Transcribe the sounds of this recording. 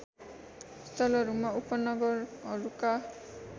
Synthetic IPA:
st̪ʰɔlɔɾumaupɔnɔɡɔɾɔɾuka

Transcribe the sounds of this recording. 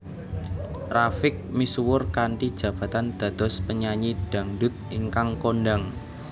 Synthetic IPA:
rafɪk̚misuwʊrkaɳʈid̥ʒ̥ä̤b̥a̤t̪and̪̥a̤d̪̥ɔ̤spəɲaɲiɖ̥a̤ŋɖʊt̪̚iŋkaŋkonɖaŋ

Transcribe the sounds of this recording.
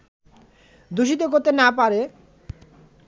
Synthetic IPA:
d̪uʃ̬it̪̬okoɾt̪enapaɾe

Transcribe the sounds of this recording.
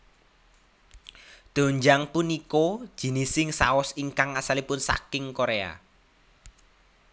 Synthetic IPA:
d̪̥o̤ɲd͡ʒaŋpuniko̥ʒ̥i̤nisɪŋsa̰ɔsiŋkaŋasalipʊnsa̰kɪŋkoɾea̰

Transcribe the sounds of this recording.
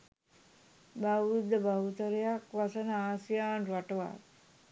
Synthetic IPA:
bawɾud̪ːəbawut̪əɾejakʋasənəaːsijaːnraʈəʋa̰

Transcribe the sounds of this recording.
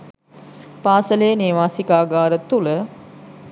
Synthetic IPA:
paːsəlejəneːʋaːsikaːɡaːɾət̪ulə

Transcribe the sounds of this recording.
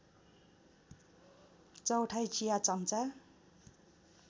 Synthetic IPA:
t͡sʌwʈʰajt͡sijat͡sʌnt͡sa

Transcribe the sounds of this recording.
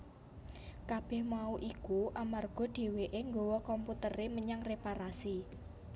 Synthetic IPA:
kab̥ɛ̤hmauʔikuʔamarɡ̥ɔ̤ɖ̥e̤weʔeŋɡowɔkɔmput̪əɾeməɲaŋrepaɾasi

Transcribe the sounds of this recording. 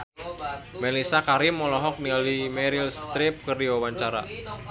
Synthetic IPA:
mɛlisakaɾimːɔlɔɦɔk̚nialimɛɾilst̪ɾɪp̚kɨrdiwawaɲt͡ʃaɾa̰

